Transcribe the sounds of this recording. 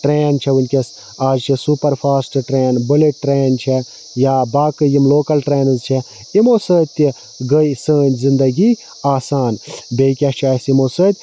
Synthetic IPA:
ʈɾeːnt͡ʃʰɛʋunʲkʲes | aːd͡ʒt͡ʃʰisupɐɾpʰaːsʈʈɾeːnbɨleʈːɾeːnt͡ʃʰɛ | jabaːkɨjimloːkɐlʈɾeːnɨzt͡ʃʰɛ | imoːsəːt̪ʲi | ɡəjsəːnʲzind̪ɐɡi | aːsaːnbeːkʲɐt͡ʃʰaːsimoːsət̪ʲ

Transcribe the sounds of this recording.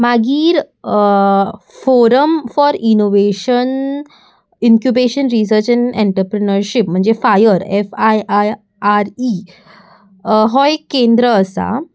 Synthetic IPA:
maɡiːɾ | foɾəmfɔɾinoʋeɕən | iŋkjubeɕənɾis̬əɾt͡ɕɛ̃ɳḛ̃ɳʈɾəpɾənəɾɕipm̤əɳd͡zefajəɾefajaj | aɾi | ɦɔjkẽnd̪ɾəːsa̰

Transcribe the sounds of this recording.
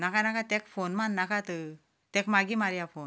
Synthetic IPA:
nakanakat̪ɛ̃kfonmanːakat̪ə | t̪ɛkmaɡimaɾjafo

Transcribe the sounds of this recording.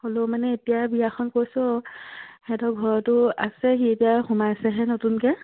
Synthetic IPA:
holomanɛetijabijaxʰɔnkojsɔ | hɛtɔɡʱɔɹɔtʊa̰sɛɦietijaxumasɛɦɛnotunkɛ

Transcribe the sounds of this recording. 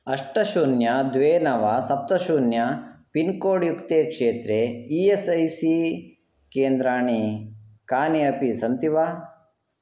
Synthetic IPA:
ɐʂʈɐʃuːnjɐd̪ʋeːnɐʋasɐp̚t̪ɐʃuːnjɐpinkoːɽjukt̪eːkʂeːt̪ɾeiesɐjsi | keːnd̪ɾaːɳikaːneɐpisɐnt̪iʋaː

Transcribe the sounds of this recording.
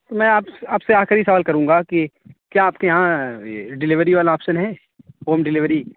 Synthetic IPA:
t̪omɛ̃ːaːpaːpseaːxɪɾisɐʋaːlkɐɾũːŋɡakikjaːpkejɐɦã | ɖɪlɪʋəɾiʋaːlaɔːpʃənɦɛː | ɦoːmɖɪlɪʋəɾi

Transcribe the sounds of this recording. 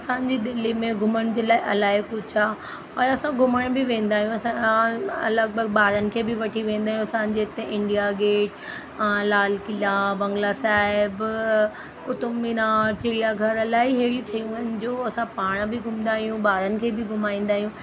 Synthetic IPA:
ɐsãːɲd͡ʑiːd̪ɪlimẽɡʱʊməɽ̃d͡ʑeːlaːɪʔɐlaːɪkʊd͡ʑʰaː | ɔːɾɐsãɡʱʊməɽ̃bɪʋẽːn̆d̪aːɦijũɐsãɐ̰ləɡ̚bəɡbaːɾənɪ̆kʰeːbɪʋɐʈʰiʋẽːnd̪aːɦjũɐsãːɲd͡ʑeːt̪eʔɪ̃ɳɖijaɡeːʈ | laːlkɪlaːbɐ̃ŋɡlasaːɪb | kʊt̪ʊmːinaːɾt͡ɕɪɾijaɡʱɐɾɐlaːiɦeːɾit͡ɕʰɐijũənɪ̆d͡ʑoːɐsãpaːɽ̃bɪɡʱʊmnd̪aːɦijũbaːɾənɪ̆kʰeːbɪɡʱʊmaːĩːnd̪aːɦijũ

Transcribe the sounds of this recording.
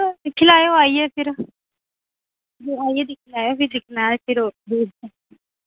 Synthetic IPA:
d̪ɪkʰlaːjoːaːiːɛːpʰɪɾ | d͡ʒiːaːiɛːd̪ɪkʰlaːjoːpɪɾd̪ɪkʰnaːpʰɪɾoːb̪eːɾɛ

